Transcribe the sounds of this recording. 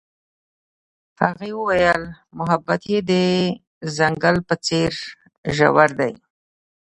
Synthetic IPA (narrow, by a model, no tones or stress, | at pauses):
haɣewəwajəl | mʊɦabːat̪jed̪ə | zaŋɡəlpət͡seɾ | ʒa̰waɾd̪a̰j